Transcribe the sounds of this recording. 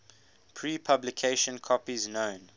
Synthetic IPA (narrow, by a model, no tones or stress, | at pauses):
pʰɹiːpʰablɪkʰeɪʃə̃nkʰɔpiznõʊ̃n